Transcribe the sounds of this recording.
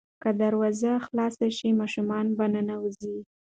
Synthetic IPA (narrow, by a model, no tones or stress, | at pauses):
kad̪aɾwɑzaxlɑsaʃimɑʃumɑnbanənawəzi